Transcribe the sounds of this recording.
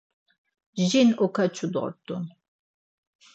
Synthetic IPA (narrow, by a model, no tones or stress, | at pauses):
ʒinɔkʰat͡ʃʰud̪ʁə̰t̪ʰʼːṵn